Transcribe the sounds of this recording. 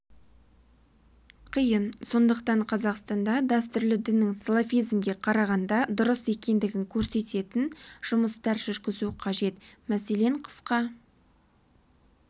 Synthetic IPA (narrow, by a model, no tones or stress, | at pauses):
qʰijənso̞nd̪əqt̪ɑɴqʰɑzɑqst̪ɑnd̪ɑd̪ɑst̪ʏɾlɪd̪ɪnːɪŋselˠafijzmɡʲe̞qʰɑɾɑʁɑnd̪ɑd̪ʊɾəse̞kʲe̞nd̪ɪɡʲɪŋkʲʰɵɾse̞t̪e̞t̪ɪnʒ̥ʊməst̪ɑɾʒʏɾɡʲɪzuqʰɑʒe̞t̪mæse̞le̞ɴqʰə̥sqɑ